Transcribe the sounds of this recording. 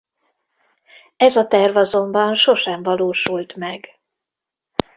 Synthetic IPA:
ɛzɒt̪ɛrvɒzo̞mbɒnʃo̞ʃɛɱvɒloːʃult̪mɛɡ

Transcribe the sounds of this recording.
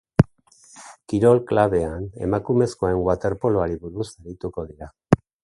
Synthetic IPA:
kiɾo̞lklaβe̞ane̞̰makume̞sko̞aeŋɡwat̪e̞ɾpo̞loaɾiβuɾusaɾit̪uko̞ðiɾa

